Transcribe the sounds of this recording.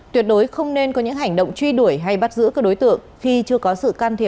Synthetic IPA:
t̪wi˨˩ət̚ɗo˨˦jxə˧wŋ͡mne˧nkɔ˨˦ɲɨ̰˧˥ŋɦa˨˩jŋ̟ɗə̰˧˨wŋ͡mt͡ɕwi˧ɗu˧˩əjɦa˧jɓa˦˥t̚zɨ̰˧˥kaː˨˦˥ɗo˨˦jt̪ɨ̰˧˨əŋxi˧t͡ɕɨ˧əkɔ˨˦sɨ̰˧˨kaː˧nt̪ʰi˧˩ə˩

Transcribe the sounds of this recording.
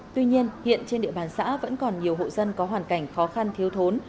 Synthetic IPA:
t̪wi˧ɲi˧ənhḭ˧˨ənt͡ɕe˧nɗḭ˧əɓaː˨˩nsa̰ː˧˥və̰˧˥nkɔ˨˩nɲi˨˩əwɦo̰˧˨zə˧nkɔ˨˦ɦwaː˨˩nka˧˩jŋ̟xɔ˨˦xa˧nt̪ʰi˨˦əwt̪ʰo˨˦n

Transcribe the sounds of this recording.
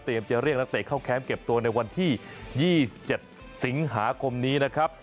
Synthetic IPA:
t̪i˨˩əmt͡ɕa˨˩ɾi˥˩k̚na˥k̚t̪eː˨˩kʰa˥˩wkʰɛː˦˥mke˨˩p̚t̪u˧ɐna˧jwa˧nt̪ʰiː˥˩jiː˥˩˨t͡ɕe˨˩t̪̚ | si˩˦ŋɦaː˩˦kʰo˧mniː˦˥na˦˥kʰɾa˦˥p̚

